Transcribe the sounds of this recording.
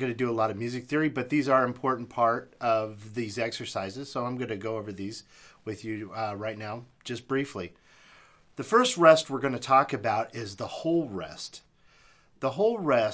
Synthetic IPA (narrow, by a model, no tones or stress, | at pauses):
ɡʌnɨdɨəlɔɾʌvmjʉzɨk̚θɪɹibʌt̪̚ðizə˞ɨ̃mpʰɔɹʔn̩pʰɑɹɾʌvðizɛksə˞saɪzɨz̥soʊãɪ̃mɡʌnɨɡoʊoʊvə˞ðiz | wɨðjɨɹaɪtⁿnaʊ̥ | d͡ʒ̥ʌsb̥ɹifli | ðɨfɜ˞st̚ɹɛst̚wəɹɡʌnɨtʰɔkɨbaʊɾɪzðəhoʊlˠɹɛ̰st | ðəɦoʊlˠɹɛs